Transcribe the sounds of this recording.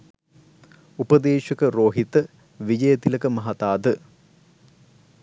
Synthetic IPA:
upəd̪eːʃɐkəɾoːɦit̪ə | ʋid͡ʒəjət̪iləkəmɐɦɐt̪aːd̪ə

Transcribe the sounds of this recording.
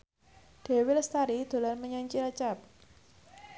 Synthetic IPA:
ɖ̪̥e̤wɪlst̪aɾid̪̥o̤larməɲaɲt͡ʃilat͡ʃap̚

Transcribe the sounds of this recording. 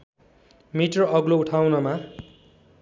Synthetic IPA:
miʈrʌʌɡlouʈʰawnʌma

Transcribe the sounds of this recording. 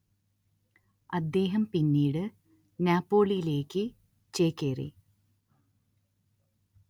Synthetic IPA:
ɐd̪ːe̞ːɦɐmpinːiːɽɨ | naːpːo̞ːɭijile̞ːkːɨ | t͡ɕeːkːeːrḭ

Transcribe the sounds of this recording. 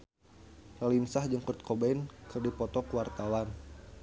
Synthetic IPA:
lalinsahd͡ʒəŋkut̪̚kʰɔbankɨrdipɔt̪ɔkəwart̪awan

